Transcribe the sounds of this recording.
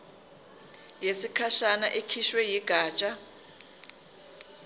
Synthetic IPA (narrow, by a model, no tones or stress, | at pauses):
jesikʰaʃanaʔekʰiʃwɛjiɡ̥ʱaːt͡ʃʼa